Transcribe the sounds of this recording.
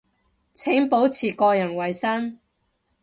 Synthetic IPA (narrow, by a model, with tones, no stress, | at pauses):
t͡sʰɪ˨˥ŋpo˨˥wt͡sʰiː˨˩kɔː˧jɐ˨˩nwɐ˨˩jsɐ˥n